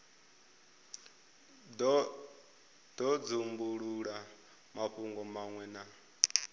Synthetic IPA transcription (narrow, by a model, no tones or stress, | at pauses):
d̥ɔd͡zumbuɺuɺa | maɸuŋɡɔmaŋwɛna